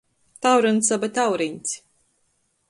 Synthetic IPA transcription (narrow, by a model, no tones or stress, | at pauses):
t̪awɾunsabat̪ʲawɾiɲʲt̪sʲ